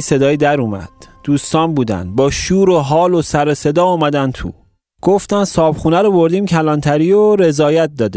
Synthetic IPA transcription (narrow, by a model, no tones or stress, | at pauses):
se̞d̪ɒːjid̪æɾuːmæ̰d̪̥d̪̥uːst̪ɒːnbuːd̪æ̰nd̪̚bɒːʃuːɾoɦɒːlosæɾose̞d̪ɒːuːmæd̪ænt̪ʰṵ | ɡ̥oft̪ænsɒːbχuːnæɾɔbo̞ɾd̪iːmcʰælɒːnt̪ʰæɾiːoɾe̞zɒːjæt̪̚d̪ɒːd̪e